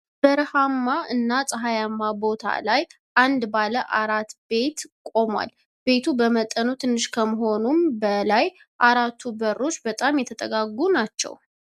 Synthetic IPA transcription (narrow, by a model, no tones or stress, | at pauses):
b̥əɾhamːaɨnːasʼəɦajamːabo̞t̪ʰa̰laj | ʔand̪baləʔaɾat̪be̞t̪kʼo̞mwa̰l | be̞t̪ʰubəmət̪ʼənut̪ʰɨnːɨʃkʰəməɦo̞numbəlaj | ʔaɾat̪ʰːubəɾːo̞t͡ʃːbət̪ʼamjɛt̪ʰət̪ʼəɡaɡunat͡ʃːɛ̰w